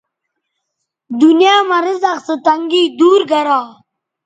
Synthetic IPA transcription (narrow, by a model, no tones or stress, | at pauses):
d̪unjaːmɐɾizaqsət̪ɐŋɡiːd̪uːɾɡɐɾaː